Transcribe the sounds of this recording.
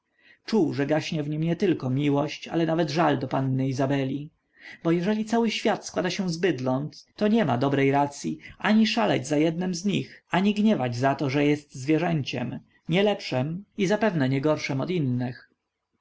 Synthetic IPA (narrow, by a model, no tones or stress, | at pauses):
t͡ʂuwʐɛɡaɕɲɛvɲimɲɛt̪ɘlkɔmʲiwɔɕt͡ɕa̰lɛnavɛd̪ʐald̪ɔpanːɘizabɛlʲi | bɔjɛʐɛlʲit̪sawɘɕfʲjat̪skwad̪aɕɛ̃zbɘd̪lɔnt̪ːɔɲɛma̰d̪ɔbɾɛjɾat̪sʲjiaɲiʂalɛ̰d͡ʑzajɛd̪̚nɘmzɲixaɲiɡɲɛvad͡ʑzat̪ɔʐɛjɛst̪zvʲjɛʐɛɲt͡ɕɛ̰m | ɲɛlɛpʂɛmizapɛvnɛɲɛɡɔɾʂɛmɔt̪inːɘx